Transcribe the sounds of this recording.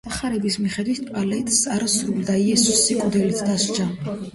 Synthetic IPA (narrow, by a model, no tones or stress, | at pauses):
aχaɾɛbismiχɛd̪wit̪̚ʰpʼalɛt̪ʼsaɾasɾuld̪aiɛsusːikʼud̪ɛlit̪ʰd̪aʃt͡ʃʰa